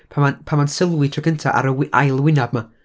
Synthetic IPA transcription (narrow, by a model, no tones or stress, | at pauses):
pʰamapʰamansɪlˠwɪtʰrəɡəntʰaʔa̰ɾəwɪʔa̰jlˠwɪnab̚ma